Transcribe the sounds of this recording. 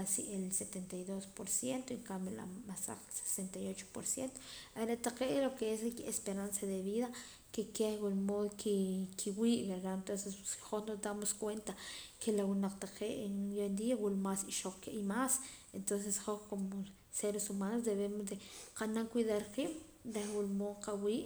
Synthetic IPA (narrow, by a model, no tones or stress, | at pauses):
asiʔelset̪ent̪ajðospoɾsjent̪oiŋkamela̰masa̰kse̥sent̪ajot͡ʃo̥po̰ɾsjent̪o̥aɾat̪aqeʔlokeeskespeɾansaðeβiða | kekehɡolmoðkʰikʰiwiʔβeɾant̪onsessχonosd̪amoskwent̪akelawunaqt̪aqeʔejond̪iawulmasiʃoq͡χkeʔimas | ent̪ons̬esχohkomo | seɾesumanos̬d̪eβemosd̪eqanaŋkwʷiðaɾqim | d̪ewulmoqawiːʔ